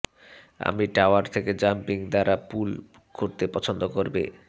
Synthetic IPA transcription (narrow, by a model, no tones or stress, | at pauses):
a̰miʈaoaɾt̪ʰeked͡ʑampiŋd̪aɾapul | koɾt̪epɔt͡ɕʰond̪okoɾbḛ